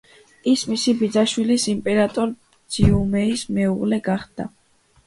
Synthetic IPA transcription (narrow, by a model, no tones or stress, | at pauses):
ismisibid̪zaʃwilisimpʼɛɾat̪ʼɔɾ | d̪z̥iumɛismɛuʁlɛɡaχd̪̥a̰